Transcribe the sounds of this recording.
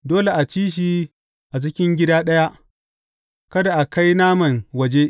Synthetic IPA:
doː˦le˨ʔa˨t͡ʃiː˦ʃ̬i˦ | ʔa˨t͡ʃ̬ɪ˦kʲɪ˦ŋɡʲɪ˦daː˦ɗɐ˦ja˦ʔ | kɐ˦da˨ʔa˨ka˦jnaː˦mɐ˨ŋwɐ˨d͡ʒe˦

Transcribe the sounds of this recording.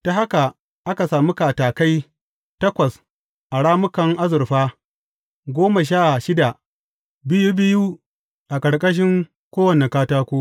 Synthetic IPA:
ta˨ɦa˦ka˨ | ʔa˦ka˨saː˨mu˦ka˨taː˨ka˦j | tɐ˦kʷɐ˨s | ʔa˨ɽaː˦mʊ˦kɐ˨ŋʔa˦zʊ˨ɾɸaː˦ | ɡʷoː˦ma˨ʃ̬aː˦˨ʃɪ˦da˨ | bɪ˦ju˦bɪ˦ju˦ | ʔa˨kʼɐ˨ɽkʼɐ˦ʃ̬ɪ˦ŋ | kʷoː˦wɐ˨ne˨kaː˦taː˦kʷoː˦

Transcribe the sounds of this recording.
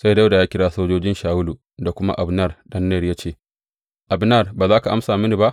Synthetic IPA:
sa˦jda˦wda˨jaː˦kʲɪ˦ɽaː˦soː˦d͡ʒoː˦d͡ʒɪ˦nʃaː˨wʊ˦lu˨ | da˨kʷʊ˦ma̰˦ʔa˨bnɐ˦rɗɐ˦nːɛ˦˨rjaː˦t͡ʃeː˦˨ | ʔa˨bnɐ˦˨rbaː˨zaː˦ka˨ʔa̰˦msaː˨mɪ˦ni˨ba˦ʔ

